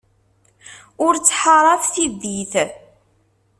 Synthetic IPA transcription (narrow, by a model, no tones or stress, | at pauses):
ʊɾt͡sːħəɾˤɑfθid̪iθ